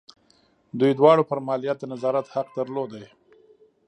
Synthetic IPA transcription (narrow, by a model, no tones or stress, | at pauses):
d̪ujd̪wɑɽopəɾmɑlijat̪̚d̪ənazɑɾat̪haq̚d̪əɾlod̪aj